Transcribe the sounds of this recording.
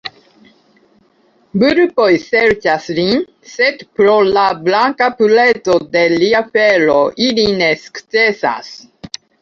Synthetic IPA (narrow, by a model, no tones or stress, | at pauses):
buɾupojseɾt͡ʃaslin | set̪pɾolablaŋkapuletod̪eliafeloʔilineskt͡sesa̰s